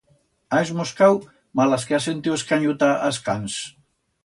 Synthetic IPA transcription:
aezmoskaw | malaskeasent̪iweskaɲut̪aʔaskans

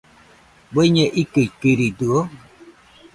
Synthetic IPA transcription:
boɲɛʔikelkeɾiduo

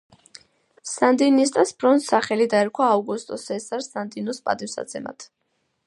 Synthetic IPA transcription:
sand̪inist̪ʼasb̥ɾɔnsaχɛlid̪aɛɾkʰwaːvɡust̪ʼɔsɛsaɾsand̪inɔspʼa̰d̪ʼifsa̰t̪sʰɛma̰t̪ʰ

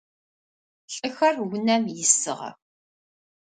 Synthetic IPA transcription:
ɬʼəxɐrwʊnæmjɪsːə̰ʁ̰

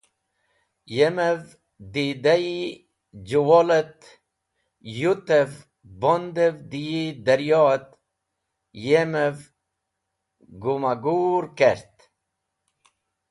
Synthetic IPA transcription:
jemev | d̪id̪aji | d͡ʑuwolət̪ | jut̪ev | bond̪evd̪ijid̪əɾjɔt̪ | jemev | ɡumaɡuːɾkeɾt̪

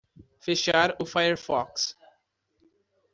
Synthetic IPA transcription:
feʃaɾofajəɾfɔ̰ks

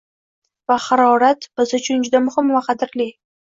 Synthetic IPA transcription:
vahɑɾɒɾat̪b̥ɪzʊt͡ʃʰʊnd͡ʒʊd̪amʊhɪmvaqʰɑd̪ɪɾli

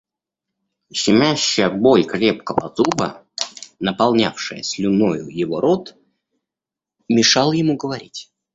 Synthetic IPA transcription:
ɕɪmʲæɕːɪjəbolʲkɾʲep̚kəvə̰zubə̰ | nəpɐlˠnʲa̰fʂɨjəsʲlʲʊnojʊjɪvo̞ɾo̞t̪ | mʲɪʂɑlˠjɪmuɡəvɐɾʲitʲ

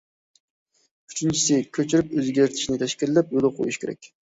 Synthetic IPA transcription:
y̥t͡ʃʰynt͡ʃʰi̥sɪkʲʰøt͡ʃʰyɾypøzɡʲeɾt̪ʰɪ̥ʃnɪt̪ʰɛʃkʲilːɛpjolˠqʰo̰jiʃkʲeɾɛ̰k̚ʲ

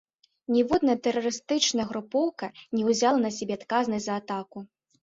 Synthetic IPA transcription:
nʲɛvɔd̪nɐt̪ɛɾɐɾɨst̪ɨt͡ʂnɐɣɾupɔwkɐnʲɛwzʲalˠɐnɐsʲabʲɛat̪kaznɐsʲzɐːt̪aku

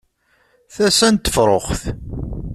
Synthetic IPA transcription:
θæsænt̪ːə̥fɾˤoχθ

